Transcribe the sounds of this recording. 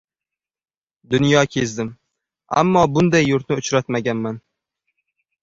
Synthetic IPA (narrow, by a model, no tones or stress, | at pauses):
d̪ʊnjɒkʲʰezd̪ɪm | a̰mːɒbʊnd̪ajːʊɾt̪nɪʊt͡ʃɾat̪maɡʲanman